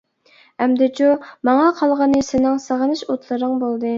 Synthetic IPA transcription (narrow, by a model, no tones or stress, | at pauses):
ɛmd̪ɪt͡ʃumɑŋɑqʰɑlˠʁɑnɨsɪnɪŋsəʁənɨʃot̪ʰlˠɨɾɨŋbolˠd̪ɨ